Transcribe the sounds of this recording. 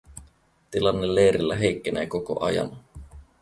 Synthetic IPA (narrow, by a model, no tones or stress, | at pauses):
t̪ilɑnːelːeːɾilːæɦe̞jkːeneːkoko̰ʔɑjɑ̰n